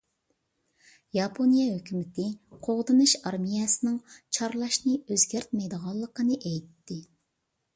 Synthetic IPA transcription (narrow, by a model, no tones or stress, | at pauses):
jɑpʰonijɛɦøkʲymɪt̪ʰɪqʰoʁd̪ɨnɨʃɑɾmijɛsɪnɪŋt͡ʃʰɑɾlˠɑʃnɨøzɡʲæɾt̪̚mɛjd̪əʁɑlˠːəqənɨʔɛjt̪ːɪ